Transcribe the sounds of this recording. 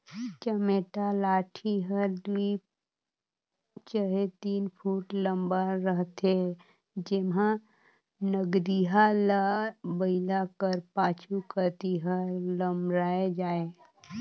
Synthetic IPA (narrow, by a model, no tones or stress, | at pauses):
t͡ʃəmeːʈalaːʈʰiɦəɾd̪ui | t͡ʃəɦet̪iːnpʰuːʈləmbaɾəɦt̪e | d͡ʒɪmɦã | nəɡɾiɦalabəɪlakəɾpaːt͡ʃʰukəɾt̪iɦəɾləmbɾaːed͡ʒaːe